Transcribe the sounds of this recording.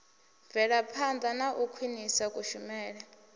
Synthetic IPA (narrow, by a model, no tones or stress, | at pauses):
vɛɺapʰand̪anaʔukʰwinisakʼuʃumɛːɺa